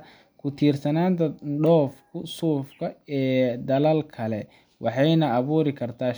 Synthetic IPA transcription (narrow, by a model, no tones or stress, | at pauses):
kʰʊt̪ʰiːrsɐnaːnt̪ʰɐɖɔːfkʰʊsuːfkʰɐɛːd̪ɐlɐlkʰɐlɛ | wʔɑħɑjnɐːβuːɾɪkʰɐrt̪ʰaː